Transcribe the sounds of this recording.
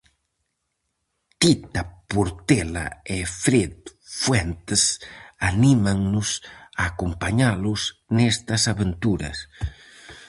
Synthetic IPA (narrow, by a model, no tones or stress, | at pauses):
t̪it̪apuɾt̪ela̰efɾet̪fwɛnt̪esanimaŋnʊsaːkumpaɲalusnɛst̪ɐsaβent̪uɾɐ̰s